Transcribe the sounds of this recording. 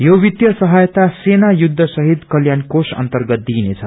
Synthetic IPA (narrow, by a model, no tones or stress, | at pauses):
jowit̪jʌsʌɦʌjt̪asenajud̪ʱːʌsʌɦit̪kʌljankosʌ̰nt̪ʌrɡʌt̪̚d̪inet͡sʰʌ̰